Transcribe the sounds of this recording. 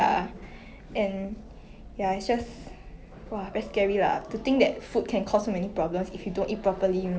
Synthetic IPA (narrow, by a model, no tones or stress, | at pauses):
a | ʔɛ̃n | jaitsd͡ʒas | wabɛtskɛɹila̰tut̪ɪ̃ŋk̚d̪ɛt̚fut̚kʰɛ̃nkʰɔsːomɛnipɹɔblə̃msifjudõnʔit̚pɹɔpəli